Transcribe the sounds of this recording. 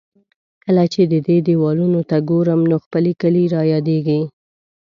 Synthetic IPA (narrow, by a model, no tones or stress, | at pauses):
kəlat͡ʃed̪əd̪ed̪ewɑlunot̪aɡoɾəmnoxpəlekəliɾɑjɑd̪eɡi